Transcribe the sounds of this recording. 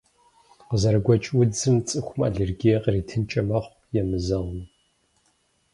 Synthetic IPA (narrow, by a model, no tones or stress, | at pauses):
qəzɐɾɨɡʷɔt͡ʃʼwʊd͡zɨmt͡sʼɨxʷʊma̰ɮerɡijɛqritʰɨnt͡ʃʼɐmɐχʷ | jɛmɨzɐʁəm